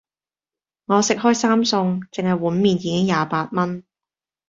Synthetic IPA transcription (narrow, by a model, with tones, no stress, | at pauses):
ŋɔː˨˧sɪ˨k̚hɔː˥jsaː˥msʊ˧ŋt͡sɪ˨ŋhɐ˨jwuː˨˥nmiː˨njiː˨˧kɪ˥ŋjaː˨paː˧t̚mɐ˥n